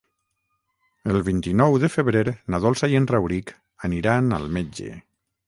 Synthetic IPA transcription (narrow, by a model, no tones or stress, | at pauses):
əlˠβint̪inɔwðəfəβɾeɾnaðɔlˠsajenrawɾik | aniɾana̰lˠmed͡ʒḛ